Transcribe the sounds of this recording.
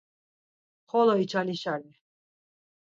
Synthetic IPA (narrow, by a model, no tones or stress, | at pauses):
χɔlɔit͡ʃʰaliʃali